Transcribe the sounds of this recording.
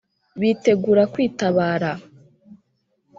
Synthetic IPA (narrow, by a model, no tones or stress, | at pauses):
βiːte̞ɡuɾakwiːtaβaːɾa